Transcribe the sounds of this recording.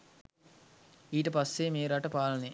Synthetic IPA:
iːʈəpasːemeːɾaʈəpaːlɐne

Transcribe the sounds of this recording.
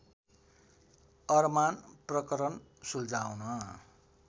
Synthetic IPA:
ʌrmanprʌkʌɾʌn | suld͡zawnʌ

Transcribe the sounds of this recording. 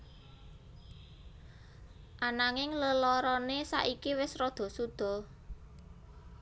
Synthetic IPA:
ʔanaŋɪŋləlɔɾɔnesa̰ʔikiwɪsrɔd̪̥ɔ̤sud̪̥ɔ̤

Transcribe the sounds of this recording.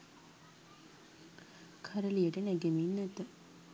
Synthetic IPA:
kʰaɾəlijəʈənɛɡeminːet̪ːə

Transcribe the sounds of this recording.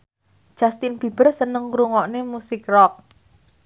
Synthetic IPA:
d̥ʒ̥ast̪ɪnbi̤b̥ərsənəŋkɾuŋɔʔnemusɪk̚rɔk̚

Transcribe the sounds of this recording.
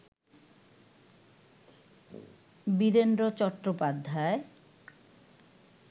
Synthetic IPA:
biɾend̪ɾot͡ɕɔʈːɾopad̪ʱːae

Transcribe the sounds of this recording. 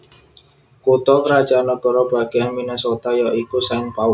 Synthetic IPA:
kut̪ɔkɾad̥ʒ̥anɔkɔɾɔb̥a̤ɡ̥eminesot̪ajɔikusɪŋpaʊ

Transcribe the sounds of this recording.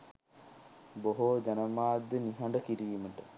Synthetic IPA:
boɦod͡ʒɐnəmaːd̪jəniɦɐɳɖəkiɾiːməʈə

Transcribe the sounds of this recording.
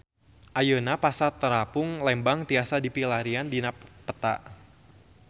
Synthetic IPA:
ʔajənapasat̪əɾapʊŋlɛmbaŋt̪iasadipilaɾiandinapət̪a̰ʔ

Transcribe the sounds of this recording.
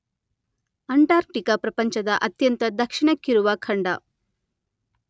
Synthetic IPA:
ɐɳʈaːɾ̚ʈikɐpɾɐpɐɲt͡ʃɐd̪ɐʔɐt̪jɐnt̪ɐd̪ɐkʂiɳɐkːiɾuʋɐkʰɐɳɖɐ̰

